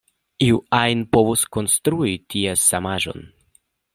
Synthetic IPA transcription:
iuajnpovusko̞nst̪ɾuitiesamaʒo̞̰n

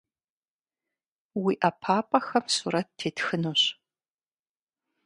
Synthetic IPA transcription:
wiːʔɐpʰaːpʼɐxɐmsṵːɾɐt̚tʰːeːtxɨnuɕ

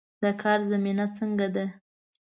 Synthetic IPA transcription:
d̪̥akʰɑɾzaminat͡səŋɡad̪a

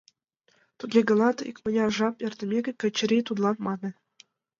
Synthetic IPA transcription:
t̪uɡʲeɡɤ̆lˠɑt̪ḭkʲmʲɘ̆nʲɑrʐɑperʲd̪ɘ̆mʲeɡʲɘ̆kʲɘ̆t͡ɕːɘ̆ɾʲit̪ud̪lˠɑnmɑnɤ̆

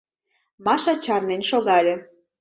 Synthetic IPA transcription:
mɑʃɑt͡ɕɑrnenʃoɣɑlʲĕ

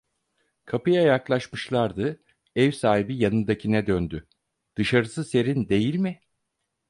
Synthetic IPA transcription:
kʰapɯjajaklˠaʃmɯʃlˠaɾd̪ɯ | ɛvsaːɦibijanɯnd̪acʰinɛd̪ønd̪y | d̪̥ɯʃaɾɯsɯse̞ɾind̪e̞jilʲmɪ

